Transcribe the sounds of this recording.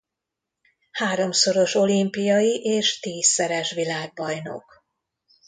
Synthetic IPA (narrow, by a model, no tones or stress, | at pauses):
haːɾo̞mso̞ɾo̞ʃo̞limpijɒjiʔeːʃt̪iːsːɛɾɛʃʋilaːɡ̚bɒjno̞̰k